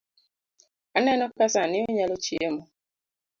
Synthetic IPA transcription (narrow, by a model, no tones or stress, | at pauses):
anɛnɔkasanɪoɲalot͡ʃiemɔ